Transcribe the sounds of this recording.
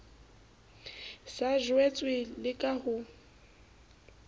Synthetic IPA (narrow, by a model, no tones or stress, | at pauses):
saʒwɛt͡sʼwɪlɪkʼahʊ